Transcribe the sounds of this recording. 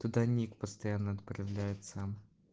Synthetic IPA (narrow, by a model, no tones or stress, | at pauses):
t̪ʊd̪anʲikpəst̪ɐjanːəɐt̪pɾɐvlʲajɪt̪sam